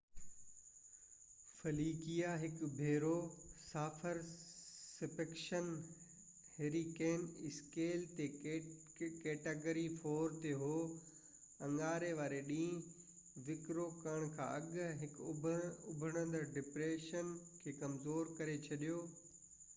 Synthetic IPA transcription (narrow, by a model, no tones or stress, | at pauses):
fɐliːkijaɦɪkʊbʱeːɾosaːfəɾsɪpekʃən | heːɾiːkeːnɪskeːlt̪e | kɛːʈeɡəɾifoːɾt̪eɦoː | ɐ̃ŋɡaːɾeʋaːɾeɗĩː | ʋɪkɾokɐɽ̃kʰã̰ːɐɠɦɪk | ʊbʱəɽ̃ə̃nd̪əɖɪpɾeːʃənkʰeːkɐmzoːɾkɐɾet͡ɕʰɐɗijoː